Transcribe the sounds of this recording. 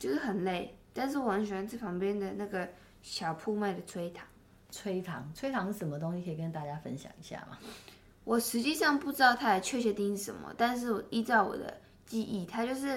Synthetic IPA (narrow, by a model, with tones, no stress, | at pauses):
t͡ɕjo˥˧ʊʂɻ̩˥˩xə˨˩nle˥˩ɪt̪a˥˧nʂ̬ɻ̩˥˩wə˦nɕnt͡sa˥˩ɪpʰɑ˧˥ŋpjɛ˥nd̪ə˨na˥˩ɡə˩ | ɕjɑ˨˩ʊpʰu˥˧ma˥˩ɪd̪ə˩t͡sʰwe˥ɪt̪ʰɑ̥˨˦ŋ | t͡sʰwe˥ɪt̪ʰɑ˨˧˦ŋt͡sʰwe˥ɪt̪ʰɑ˧˦ŋə˧ʂə˨˦nmə˦t̪o˥ŋɕi˧kʰə˧˥i˨˩kə˥˧nt̪a˥˩t͡ɕja˥fə̰˦nɕjɑ̰˨˩ŋi˧˦ɕja̰˥˩ma̰˩ | wʔɔ˨˩ʂɻ̩˧˥t͡ɕi˥˧ʂɑ˥˧ŋpu˥˩ʈ͡ʂɻ̩˥t̪ɑ˥˧ʊt̪ʰa˥la˨˩t͡ɕʰɥɛ˥˧˩ɕʰɥɛ˧˥t̪i˥ŋ˥ʂə̰˧˥nmə̰˧t̪a˥˧nʂ̬ɻ̩˥˩wɔ˨˩i˥t͡sɑ˥˩ʊwɔ̰˨˩d̪ə̰˦ | t͡ɕi˥˧ʔi˥˩t̪ʰa˥t͡ɕjo˥˧ʊʂ̬ɻ̩˥˩